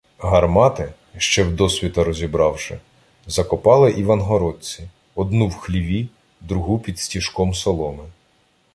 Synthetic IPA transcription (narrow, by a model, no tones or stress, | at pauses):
ɦɐrmɑt̪ɪ | ʃt͡ʃɛwd̪ɔsʲʋʲit̪ɐɾɔzʲibɾɑwʃɪ | zɐkɔpɑlˠɪʔiʋɐnɦɔɾɔt͡sʲi | ɔd̪nuwxlʲiʋʲi | d̪ɾʊɦupʲid̪sʲtʲiʃkɔmsɔlˠɔmɪ